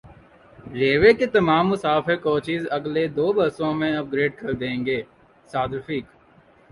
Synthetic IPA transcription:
ɾeːʋeket̪ɐmaːmːʊsaːfɪɾkoːt͡ʃɪzɐɡled̪oːbɐɾsõmẽɐp̚ɡɾeːɖ̚kɐɾd̪ẽːŋɡeː | saːd̪ɾfiːk

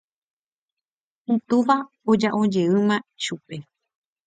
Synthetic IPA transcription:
ɨ̃t̪uʋa | od͡ʒaʔõd͡ʒe̞ɨmãʃupe̞

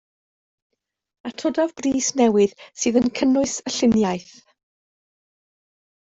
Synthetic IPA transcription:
atʰɔdavbriːsnɛwɨðsɨːðənkʰənʊɨsəɬɪnjajθ

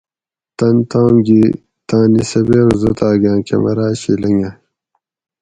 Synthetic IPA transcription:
t̪ɐnt̪ãːmɡi | t̪ãːnisɐbeːɾuzot̪aːɡãːkḛmɐ̰ɾaːɕilɐŋɡɐ

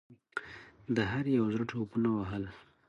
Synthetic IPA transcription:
d̪əɦaɾjawzɾəʈʰopunawaɦəl

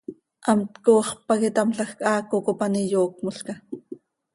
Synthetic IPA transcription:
ʔɑmt̪koːχpɑkɪt̪ɑmɬɑxkʔɑːkokopanijoːk̚moɬka

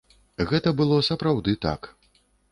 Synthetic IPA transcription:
ɣɛt̪ɐbɨlˠɔsɐpɾawd̪ɨt̪a̰k

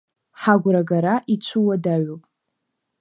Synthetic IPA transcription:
ħaɡʷɾaɡaɾaʔit͡ʃʷʰuwadaɥopʼ

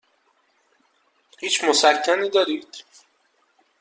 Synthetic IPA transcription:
hiːt͡ʃʰmosæcʰːæniːd̪ɒːɾiːd̪̥

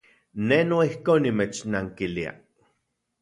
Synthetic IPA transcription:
nenoihkoːnːimet͡ʃnaŋkilia̰

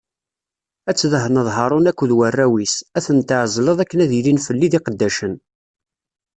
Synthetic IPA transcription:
æt͡sːðəɦənəðˤɦɑɾˤʊnækʷːəðwərːæwisæθənt̪əʕəzˤləðˤækːənæðilinfəlːiðiqəd̪ːæʃən

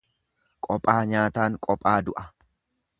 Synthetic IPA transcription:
kʼɔpʼːaːɲaːt̪aːŋkʼɔpʼːaːd̪ʊʔɐ

